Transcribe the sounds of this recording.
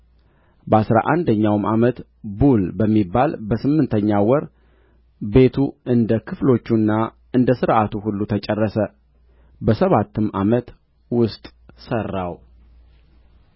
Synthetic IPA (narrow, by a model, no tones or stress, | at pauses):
bəasɾa̰ʔand̪əɲːawmʔamət̪ | bulbəmːibːalbəsɨmːɨnt̪ʰəɲːawɔɾ | be̞t̪ʰuɨnd̪əkʰɨflo̞t͡ʃːunːa | ɨnd̪əsɨɾʔat̪uhulːut̪ʰət͡ʃʼɛrːəsə | bəsəβat̪ːɨmamət̪ | wʊst̪ʼ | sərːaw